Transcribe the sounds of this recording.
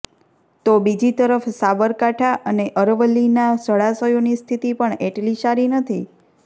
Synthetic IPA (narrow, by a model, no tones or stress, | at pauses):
t̪obid͡ʒit̪əɾəfsabəɾkaʈʰaʔəneʔəɾʋəlːinasəɭasəjonist̪ʰit̪ipəɳeʈliʃaɾinət̪ʰi